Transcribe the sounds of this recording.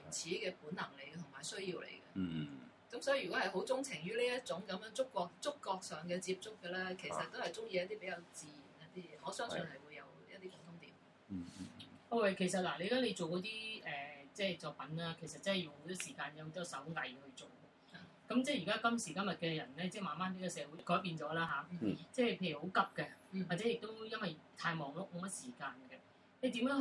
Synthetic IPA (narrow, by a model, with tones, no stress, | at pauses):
yː˨˩t͡sʰiː˨˥kɛː˧puː˨˥nɐ˨˩ŋle˨˧kt̪ʰʊ˨˩ŋmaː˨˩jsɵ˥ɥjiː˧wlḛ˨jkɐ̰˧ | kɐ˨˥msɔː˨˥ji˨˩y˨kɔ˨˥hɐ˨jɦo˨˥wt͡sʊ˥ŋt͡sʰɪ˨˩ŋjyː˥liː˥jɐ˥t̚t͡ʃʊ˨˥ŋkɐ˨˧˥mjœː˨˥ŋt͡sʊ˥kːɔː˧k̚t͡sʊ˥kːɔː˧k̚sœː˨ŋkɛ˧t͡siː˧p̚t͡sʊ˥kːɛ˧lɛː˥kʰe˨˩jsɐ˨t̚t̪o˥whɐ˨jt͡sʊ˥ŋji˧jɐ˥t̪iː˥pe˨˥jɐ˨˧wt͡siː˨ji˨˩njɐ˥t̚t̪iː˥ɔː˨˥sœː˥ŋsɵ˨˧nhɐ˨jwu˨˧jɐ˨˧wjɐ̰˥t̚t̪iː˥pʊ˨˥ŋt̪ʰʊ˧˥ŋt̪ḭː˨˩m | o˧wɛ˨˧kʰe˨˩jsɐ˨t̚laː˨˩le˨˧jkaː˨˥le˨˧jt͡so˨wkɔː˨˥t̪iː˥ɛ˨t͡sɛː˥˩t͡sɔː˧k̚pɐ˨˥nlaː˥kʰe˨˩js̬ɐ˨t̚t͡sɐ˥nɦɛ˨˩jʊ˨ŋho˨˧˦t̪ɔː˥siː˨˩kaː˧njɐ˧ho˨˧t̪ɔː˥sɐ˨˥wŋɐ˨˩jhɵ˧ɥt͡so˨˩w | kɐ˨˧˥mt͡sɛː˥˩jiː˨˩kaː˥kɐ˥msiː˨˩kɐ˥mjɐ˨t̚kɛ˧jɐ˨˩nlɛː˥t͡sɛː˥˩maː˨nmaː˥nt̪iː˨˥kɔ˧sɛː˨˧wuː˨˥jkɔː˨˥jp̬iː˧nt͡ʃɔː˨˥laː˥ɦaː˨˥t͡sɛː˥˩pʰe˧jɥy˨˩ho˨˧˥wkɐ˨˥p̚kɛ˧aː˨t͡sɛ˨˦˥jɪ˨k̚t̪o˥wjɐ˥nwɐ˨jt̪ʰaː˧jmɔː˨ŋlʊ˦˥k̚mo˨˧wmɐ˥t̚siː˨˩kaː˧nɡɛ˧ | le˨˧t̪iː˨˥mjœː˨˥ŋ